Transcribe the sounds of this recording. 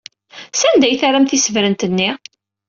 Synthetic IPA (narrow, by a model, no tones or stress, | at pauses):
sænd̪æjθarˤːəmθisəvɾənt̪ənːi